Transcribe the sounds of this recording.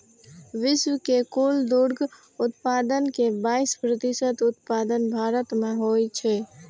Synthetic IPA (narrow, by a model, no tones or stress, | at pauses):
ʋiswəkekold̪uɽɡ | ut̪pad̪ənkebaispɾət̪isət̪ut̪pad̪ənbʱaɾət̪meɦojt͡ʃʰɛ